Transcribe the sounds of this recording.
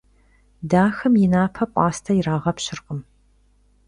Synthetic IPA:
daːxɐmjɪnaːpʰɐpʷʼɑːstʰɐjɪraːʁɐpɕɪrqəm

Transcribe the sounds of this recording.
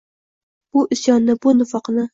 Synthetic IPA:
b̥ʊʔɪsjɒnːɪbʊnʊfɑqnɪ

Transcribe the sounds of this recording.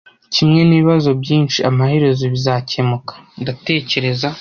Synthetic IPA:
cimŋe̞niːβiβazo̞bɟiːnt͡ʃiamahe̞ɾe̞zoβizaːcemukḁndate̞ːce̞ɾe̞za

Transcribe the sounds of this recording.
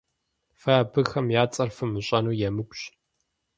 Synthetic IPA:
fɐbɨxɐmjaːt͡sʼɐrfɨmɨɕʼɐnuːjɛmɨkʷʼɕ

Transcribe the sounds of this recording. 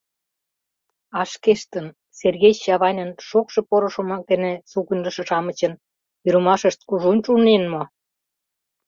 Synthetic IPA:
ɑʃkeʃt̪ən | serɣejɕɑβɑnʲə̆nʃokʃɤ̆poɾŏʃomɑk̚d̪enĕsukənʲlə̆ʃɤ̆ʃɑmə̆t͡ɕə̆n | yɾə̆mɑʃəʃt̪̚kuʒunʲʃunenmo

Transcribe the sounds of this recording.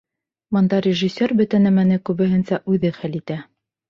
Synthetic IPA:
bɤ̆nd̪ɑɾʲɪʒisʲːoɾbɵ̆t̪ænæmænɘkʉβɘ̆ɦɘ̆nsæʔʉðɘχælit̪æ

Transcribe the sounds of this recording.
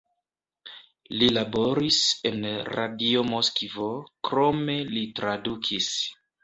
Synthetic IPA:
lilabo̞ɾise̞nra̰dio̞moskvo̞kɾo̞me̞litɾadukʰis

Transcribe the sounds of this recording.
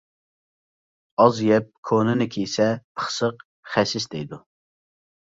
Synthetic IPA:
ɑzjɛp̚kʰonɨnɨkʲʰejsɛpʰə̥χsəq | χɛsɪsd̪ɛjd̪u

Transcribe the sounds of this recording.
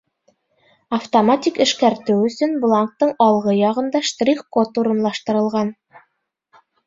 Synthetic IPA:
ɐft̪omatʲikɘ̆ʃkæɾt̪ɘwɵ̆sɵnblˠaŋk̚t̪ːɤɴɑlˠʁɤjɑʁɤ̆nd̪ɑʃt̪rʲiχkot̪uɾɤ̆nlˠɑʃt̪ɤ̆ɾɤ̆lˠʁɑn

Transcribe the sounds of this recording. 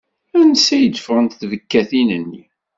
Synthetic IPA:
ænəsæjəd̪əfʁənt̪θvəkːæθinənːi

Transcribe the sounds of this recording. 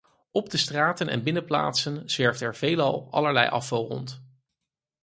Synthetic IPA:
ɔb̚dəstraːtənɛ̰nbɪnəpla̰ːtsənz̥ʋɛɹftɛɹv̥ejlɑlˠɑ̰ləɹlɛ̰jʔɑ̰fɑlˠrɔ̰nt

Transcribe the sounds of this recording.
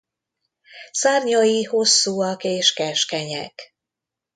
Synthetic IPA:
saːrɲojiho̞sːuːɒkeːʃkɛʃkɛɲɛ̰k

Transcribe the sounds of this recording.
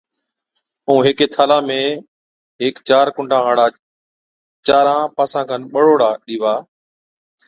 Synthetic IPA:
ũːɦeːkeːt̪ʰaːlãːmẽː | ɦɪːkt͡ʃaːɾkʊɳɖʱãːɦaːɽaː | t͡ʃaːɾãːpaːsãːkʰanɓəɽoːɽaːɗiːʋaː

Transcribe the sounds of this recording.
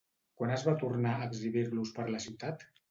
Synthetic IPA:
kwanəzβat̪uɾnaəɡziβiɾluspəɾləsiwt̪at̪

